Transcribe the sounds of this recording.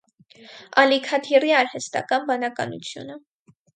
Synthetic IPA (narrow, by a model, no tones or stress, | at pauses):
ɑlikʰɑt̪ʰiriɑɾhɛst̪ɑ̰kɑnbɑnɑkɑ̰nṵt͡sʰjṵnə